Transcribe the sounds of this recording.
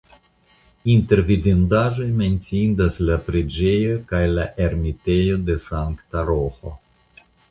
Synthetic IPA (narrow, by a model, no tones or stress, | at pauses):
int̪e̞ɾvid̪ind̪aʒo̞jme̞nt͡siind̪aslapɾed͡ʒe̞jokajlaʔe̞ɾmit̪e̞jo̞d̪e̞saŋkt̪aɾoxo̰